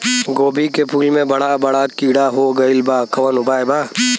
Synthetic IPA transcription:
ɡoːbikepʰuːlmẽbɐɽabɐɽakiːɽaɦoːɡɐɪlbaːkɐʋənʊbaːjbaː

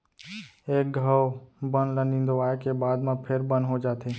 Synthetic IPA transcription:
eːk̚ɡʱəʋbənlənĩːnd̪oaːekebaːd̪mãːpʰɪɾbənɦod͡ʒaːt̪ʰeː

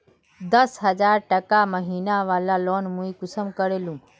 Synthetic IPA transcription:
d̪əsɦəd͡ʒaːɾʈəkaməɦiːnaʋaːlaloːnmũĩkʊsəmkəɾeːlũː

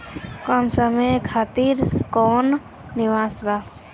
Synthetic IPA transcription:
kɔmsəmekʰaːt̪iɾskɔːnː | ɪʋaːsbaː

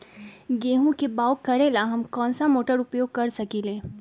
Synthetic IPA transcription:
ɡeːɦũkebaːʊkːɐɾelaɦɐmkɔ̃ːnsamoːʈəɾʊpjoːɡ̚kɐɾsɐkilẽː

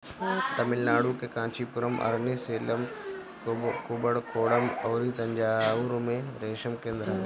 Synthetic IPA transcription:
t̪ɐmɪlnaːɽuːkekãːt͡ʃʰipʊɾəmʔɐ̰ɾneseːləm | kuːbəɽkoːɽəmoːɾit̪ɐ̃ɲd͡ʑaːuɾomẽɾeːʃəmkẽːnd̪ɾa

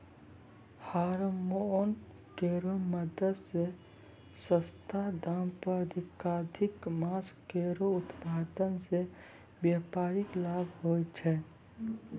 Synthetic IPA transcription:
haɾmon | keɾoməd̪əd̪se | səst̪ʰad̪ampəɾəd̪ʱikad̪ʱɪkmaseɾoʊt̪paːd̪ənse | bjapaːɾɪklabʱɦot͡ʃʰɛ

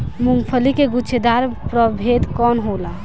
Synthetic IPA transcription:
muŋɡpʰəlikeɡut͡ʃʰed̪aɾpɾəbʱed̪kɔnɦola

